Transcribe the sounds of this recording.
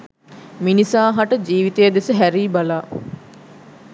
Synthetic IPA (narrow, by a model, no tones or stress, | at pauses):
minisaːɦaʈəd͡ʒiːʋit̪ejəd̪esəɦæɾiːbalaː